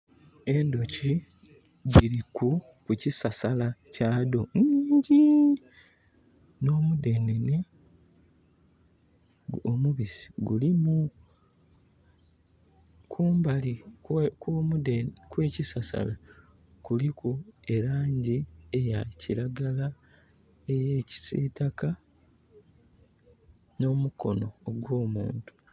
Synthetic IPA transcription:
e̞ndo̞ci | ɟiɾiku | kucisasalacaːdoniːɲɟi | no̞ːmude̞nene̞ | omuβisi̥ɡṵlimu | kʰuːmbalikomudekwe̞ːcisasa̰la | kulikue̞ɾaːɲɟiejaciɾaɡala | ejeːci̥sḭtaka | no̞muko̞no̞ːɡwo̞ːmṵːntu̥

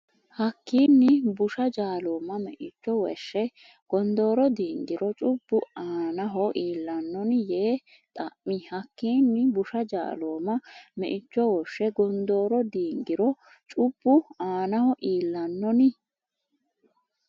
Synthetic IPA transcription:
hɐkːiːnːɪbʊʃɐd͡ʒaːloːmːɐmɛ̰ʔɪt͡ʃːɔwɛ̰ʃːɛ | ɡ̥ɔnd̪o̞ːɾɔd̪iːŋɡɪɾɔt͡ʃʼʊb̥ːʊaːnɐɦɔʔiːlːɐnːɔnɪjeː | t̪ʼɐʔmɪhɐkːiːnːɪbʊʃɐd͡ʒa̰ːloːmɐmɛʔɪt͡ʃːɔwɔʃɛɡɔnd̪oːɾɔd̪iːŋɡɪɾɔ | t͡ʃʼʊb̥ːʊaːnɐhɔʔiːlːɐnːɔnɪ

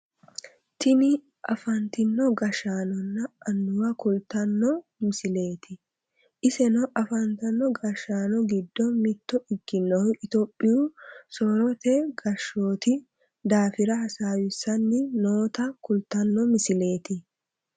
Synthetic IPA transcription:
t̪ɪnɪ | ʔɐfɐnt̪ɪnːɔɡɐʃaːnɔnːɐʔːnːʊwɐkʊlt̪ɐnːɔmɪsɪle̞ːt̪ʰɪ | ʔɪsɛnɔʔɐfɐnt̪ɐnːɔɡɐʃaːnɔɡɪd̪ːɔmɪt̪ːɔɪɡːɪnːɔhɪʔɪt̪oːpʼːɪjusɔɾɔt̪ɛɡɐʃːoːt̪ɪ | d̪aːfɪɾɐhɐsaːwɪsːɐnːɪnoːt̪ɐkʊlt̪ɐnːɔmɪsɪle̞ːt̪ɪ

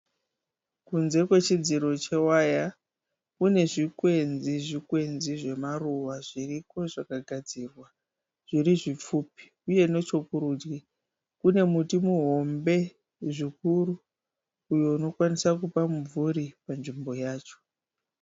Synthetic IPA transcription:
kunze̞kwe̞t͡ʃid͡ziɾo̞t͡ʃe̞waja | kune̞ʐikwe̞nziʐikwe̞nziʐe̞maruʋaʐiriko̞ʐakaɡʱad͡zirwa | ʐ̥iriʐip͡fuːpi̥ | uje̞no̞t͡ʃo̞kuɾud͡ʒwe | kune̞mutimuɦo̞mbe̞ | ʐikuɾuː | jo̞uno̞kwanisakupamuvuɾipanʐimbo̞jaːt͡ʃo̥

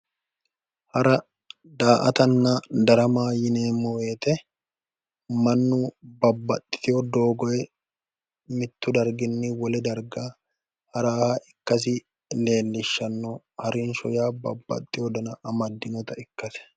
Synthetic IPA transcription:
hɐɾɐ | d̪aːʔɐt̪ɐnːɐd̪ɐɾɐmaːjɪne̞ːmɔweːt̪ɛ | mɐnːʊbɐbːɐt̪ʼːɪ̥t̪ɪjɔd̪o̞ːɡɔjɛ | mɪt̪ːʊd̪ɐɾɡɪnːɪwɔlɛd̪ɐɾɡaː | hɐɾaːaɪkːɐs̬ɪ | leːlːɪʃːɐnːɔ | hɐɾɪnʃɔjaːbɐ̰bːɐ̰t̪ʼːɪjɔd̪ɐnɐʔɐmɐd̪ːɪnɔt̪ɐɪkːɐt̪ɛ̥

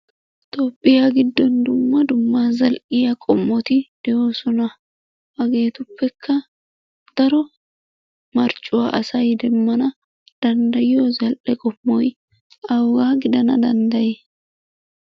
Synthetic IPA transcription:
t̪ʼoːpʼːɪjaːɡɪd̪ːɔnd̪ʊmːɐd̪ʊmːaːzɐlʔɪjɐkʼɔmːɔt̪ɪd̪̥ɛjoːsɔnɐ | ɐɡe̞ːt̪ʊpːɛkʰːɐ | d̪̥ɐɾɔ | mɐɾt͡ʃʼːʊwaʔɐsɐjd̪ɛmːɐnɐ | d̪̥ɐnd̪ɐjozɐlʔɛkʼɔpːɔj | ɐwːaːɡɪd̪ɐnɐ̰d̪ɐnd̪ɐje

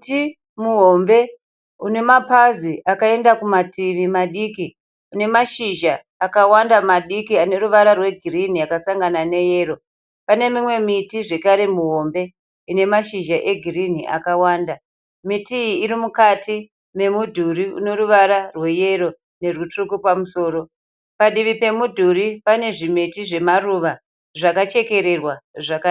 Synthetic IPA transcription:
ti | muɦo̞mbe̞ | une̞mapaziʔakae̞ndakumatiʋimaɗiki | une̞maʃiʒaː | kawandamaɗikiane̞ɾuʋaɾarwe̞ɡʱirin̤iakasaŋɡanane̞je̞ːro̞ | pane̞mimwe̞mitiʐe̞kaɾe̞muɦo̞mbe̞ | ine̞maʃiʒaʔe̞ɡʱiriniʔa̰kawaːnda | mitiiːɾimukati | me̞mudʱuɾiṵno̞ruʋaɾarwe̞je̞ɾo̞ | ne̞rutrukupamuso̞ːɾo̞ | paɗiʋipe̞mudʱuɾipane̞ʐimetiʐe̞maruʋa | ʐakat͡ʃe̞ke̞ɾe̞rwaʐaka

